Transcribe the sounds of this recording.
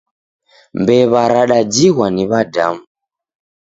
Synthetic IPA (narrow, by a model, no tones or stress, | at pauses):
mbɛβaɾaɗad͡ʒiɣwaniβada̰mu